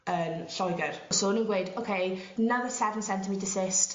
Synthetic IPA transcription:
əːnɬɔjɡɛr̥sonuːnɡwejdokʰejnaðəsɛvə̃n̩sɛ̃ntʰəmidɪsɪst

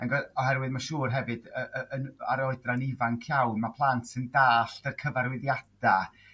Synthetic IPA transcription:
anɡɛɔɦɛrwɨðmaʃuːrɦɛvɨdəʔəəna̰ɾɔɨdranɪvankʰjawnmapʰlˠantʰsɪndaːɬtərkʰəvaɾwɪðjad̥a

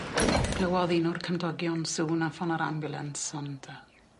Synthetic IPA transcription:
ɡ̥lˠəwɔðinʊrkʰəndɔɡjɔnsuːnafɔnaɾa̰mbʊlˠɛ̰nsɔnd̥

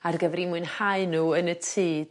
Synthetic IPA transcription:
arɡəvrimʊɨnhaɨnuənətʰiːd

